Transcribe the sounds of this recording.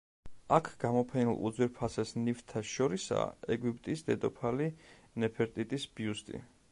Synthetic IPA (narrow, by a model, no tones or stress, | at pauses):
akʰɡ̥amɔpʰɛnilˠṵd̪zwiɾpʰasɛsnift̪ʰaʃɔɾisa̰ɛɡipʼt̪ʼisd̪ɛd̪ɔpʰali | nɛpʰɛɾt̪ʼit̪ʼisbiust̪ʼḭ